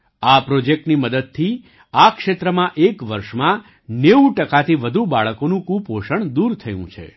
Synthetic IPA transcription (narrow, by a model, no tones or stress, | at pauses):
apɾod͡ʒek̚ʈniməd̪əd̪̚t̪ʰi | akʃet̪ɾəmãʔekʋəɾʃmã | neuʈəkat̪ʰiʋəd̪ʱubaɭəkonũkũpɦoʃəɳd̪uɾt̪ʰəjṵ̃t͡ʃʰḛ